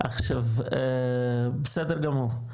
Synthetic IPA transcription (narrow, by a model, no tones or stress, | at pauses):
ʔaχʃav | besed̪eɾɡamuʁ